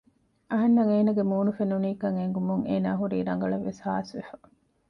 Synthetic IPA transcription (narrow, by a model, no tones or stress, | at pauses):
ʔɐɦɐnːɐŋeːnɐɡemuːnufenuniːkɐŋeŋɡumuŋeːnaːɦuɾiːɾɐŋ̆ɡɐɭɐʋːesha̰ːsʋefɐ̥